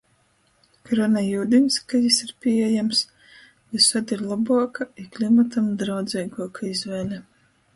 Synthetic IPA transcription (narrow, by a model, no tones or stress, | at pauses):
kɾɔnɛjuːd̪inskajisiɾpʲiɛjams | visad̪iɾlˠabuɔkaiklʲimat̪amd̪ɾawd̪zʲɛjɡuɔkʰaizvɛːlʲɛ